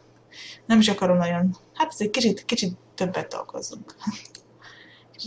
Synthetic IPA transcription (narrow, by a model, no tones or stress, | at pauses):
nɛmiʃɒkɒɾo̞mlɛjonhat̪ɛzec̚kit͡ʃit̪kit͡ʃit̪ːø̞bːɛt̪ːɒ̰lko̞̰zuŋk